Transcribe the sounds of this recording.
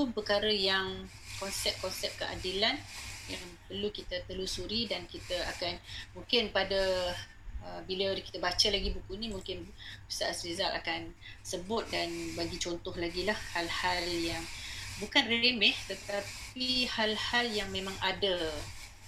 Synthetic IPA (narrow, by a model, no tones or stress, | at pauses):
t̪upəkaɾəjaŋ | kɔnsɛp̚kɔnsɛp̚kəʔa̰dilanjaŋpərlukit̪ət̪əlusuɾidankit̪əakanmũŋkɪnpadə | əbiləkit̪əbat͡ʃəlaɡibukunimũŋkɪn | isaʔaslizalʔa̰kansəbʊt̪̚danbaɡit͡ʃɔnt̪ɔhlaɡilahhalhaljaŋbukanreemɛht̪ət̪ap̚ihalhaljaŋmẽmãŋadə